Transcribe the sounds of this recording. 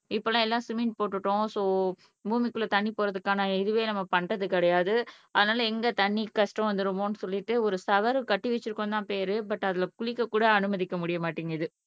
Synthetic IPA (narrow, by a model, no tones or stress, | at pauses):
ɪpːoːlãːɛlːãːsɪmɪnʈpoːʈːɯʈːõsoː | buːmɪkːɯlːɐt̪ɐɳːipoːɾɐðɯkːaːnɐɪðɯʋeːnɐmːɐpɐɳɖɐðɯkɪɽɐjaːðɯɐðɐnaːlɐɛŋɡɐt̪ɐɳːikɐʂʈɔ̃ʋɐnd̪ɯɾɯmõnɯsɔlːɪʈːɯɔɾɯsɐʋɐɾɯkɐʈːɯʋɛt͡ʃːɯɾɯkːõt̪ãːpeːɾɯbɐʈːɐðɪlɐkʊɭɪkːɐkːuːɽɐːnɯmɐðɪkːɐmʊɽɪjɐmaːʈːiŋɡɐɪðɯ